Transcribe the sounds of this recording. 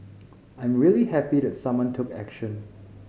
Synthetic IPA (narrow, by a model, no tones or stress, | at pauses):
ãj̃mɹilihɛpidɛtsãmwãntʰʊkɛ̰kʃə̃n